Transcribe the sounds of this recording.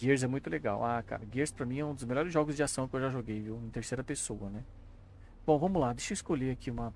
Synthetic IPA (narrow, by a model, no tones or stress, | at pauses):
ɡieɾzɛmũj̃t̪ʊleɡa̰waka̰ɾɐɡiɾspɾɐmĩɛũd̪ʊzmeʎɔɾɪzʒɔɡʊzd͡ʒɪasɐ̃w̃kɪewʒaʒoɡejviwẽt̪eɾsejɾɐpesowɐnɛ | b̥õvɐ̃mʊlad̪ejʃɐɪskoʎeakʰiũmɐ